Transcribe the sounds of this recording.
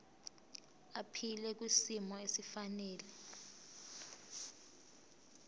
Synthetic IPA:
apʰilɛk̬wisimɔesifanɛːlɛ

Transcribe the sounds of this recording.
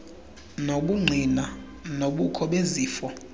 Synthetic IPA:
noɓuŋ͡ǀʱina | noɓukʰɔɓeziːfɔ

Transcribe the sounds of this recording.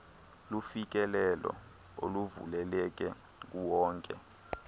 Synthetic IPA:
lufik̬ɛlɛlɔ̰ | oluvṵlɛlɛk̬ʼɛ | k̬uwɔːŋkʼɛ

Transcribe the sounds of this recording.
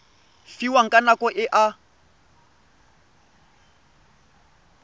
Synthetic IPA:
fiwaŋ̩kʼanakʼɔʔɪʔa

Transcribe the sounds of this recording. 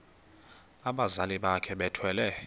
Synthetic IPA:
aɓazaliɓakʰɛɓɛtʰwɛlɛ

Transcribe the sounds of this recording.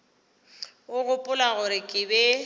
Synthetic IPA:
ʊɣʊpʼʊlaɣʊɾɪkʼɪbɛ

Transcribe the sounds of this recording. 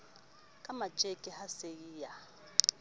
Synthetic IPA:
kʼamḁt͡ʃʼekʼɛhasejiːja

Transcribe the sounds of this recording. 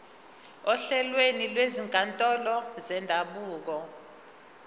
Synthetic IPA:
ɔɬɛlwenilweziŋɡʼʱantʼɔlɔzɛndʱaɓuːk̬ɔ

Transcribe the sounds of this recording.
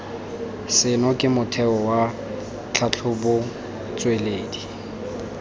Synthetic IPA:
sɪnɔkʼɪmʊtʰɛɔwa | t͡ɬʰat͡ɬʰʊbʊ | t͡sʼweleːdi

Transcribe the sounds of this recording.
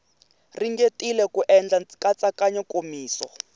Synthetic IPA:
riŋɡetʼilɛkuʔɛnd͡ɮakat͡sʼakaɲɔkomiːsɔ̰

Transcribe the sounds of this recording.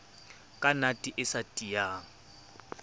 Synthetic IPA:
kʼanatʼiʔɪsatʼijaːŋ̩

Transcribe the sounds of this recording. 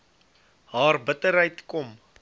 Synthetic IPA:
ɦɑːrbətəɾɦəjtkɔm

